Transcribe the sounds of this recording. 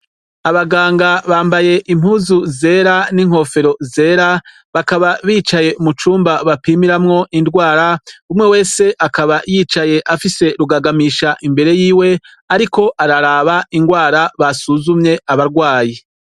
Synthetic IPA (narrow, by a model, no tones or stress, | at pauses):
aβaɡaːŋɡaβaːmbaje̞ʔim̥uzuze̞ːɾaniŋ̥ho̞fe̞ɾo̞ze̞ːɾa | βakaβaβiːt͡ʃaje̞umut͡ʃuːmbaβapiːmiɾamŋo̞ʔindɡwaːɾaumŋe̞we̞ːse̞ʔakaβajiːt͡ʃaje̞ʔafise̞ɾuɡaɡamiːʃaʔimbe̞ɾe̞jiːwe̞ | aɾiko̞ʔaɾaɾaːβaiŋɡwaːɾaβasuzumɲe̞ʔaβaɾɡwaːje